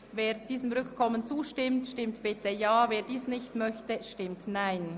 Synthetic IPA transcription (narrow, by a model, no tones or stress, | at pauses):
veːʁd̥iːsəmʁʏkkʰɔmənt͡suːʃtɪmtʃtɪmtb̥ɪtəjaːveːɐdiːsnɪçtmœçtəʃtɪmtnaɪn